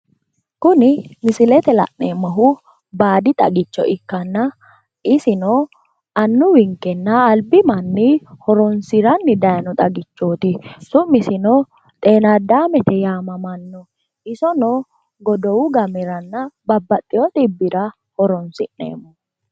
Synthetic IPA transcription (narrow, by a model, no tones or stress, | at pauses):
kʊnɪmɪsɪlɛt̪ɛlɐ̰ʔnemːɐɦʊ | baːd̪ɪt̪ʼɐ̰ɡɪt͡ʃːɔ̰ʔɪkːɐnːɐ | ɪsɪnɔ | ɐnːʊwɪŋkːɛnːɐːlbɪmɐnːɪhɔɾɔnsɪɾɐnːɪd̪ɐjɐnɔt̪ʼɐɡɪt͡ʃːoːt̪ɪsʊmːɪsɪnɔ | t̪ʼe̞ːnad̪aːmɛt̪ɛjaːmɐmɐnːɔ | ʔɪsɔnɔ | ɡɔd̪ɔwʊɡɐmɛɾɐnːɐbɐbːɐt̪ʼːɪjɔt̪ɪbːɪɾɐ | hɔɾɔnsɪnːḛːmɔ